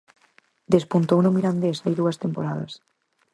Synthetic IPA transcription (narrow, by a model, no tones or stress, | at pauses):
d̪espunt̪ownomiɾand̪esajðuɐst̪empoɾaðɐ̰s